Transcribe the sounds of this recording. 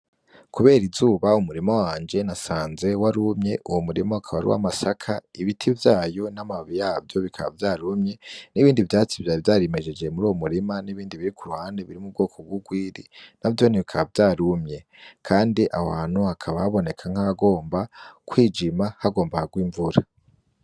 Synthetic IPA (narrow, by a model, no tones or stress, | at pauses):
kʰuβe̞ːɾizuːβaumuɾimowaːnd͡ʒe̞nasaːnze̞waɾumɲe̞ʔuwomuɾimoakʰaβaɾḭwa̰masakʰaiβitʰivjaːjo̞namaβijavjo̞βikʰaβa̰vjaːɾumɲe̞niβiːndivjaːt͡sivjavjaːɾeme̞d͡ʒe̞d͡ʒe̞muɾuːwomuɾimaniβiːndiβiɾikuɾuhaːndeβiɾimub̚ɡo̞ːkʰo̞b̚ɡwuɡwiːɾḭnavjo̞niβikʰaβavjaːɾumɲe̞ | kʰaːndiʔa̰waːn̥huakʰaβahaβo̞ne̞kʰaŋ̥aaɡo̞ːmbakwiːd͡ʒimahaɡo̞ːmbahaɡwiːɱvuɾa